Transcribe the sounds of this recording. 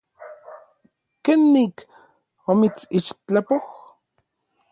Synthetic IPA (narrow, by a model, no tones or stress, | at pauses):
kenːik | momit͡sit͡ʃt͡ɬapoh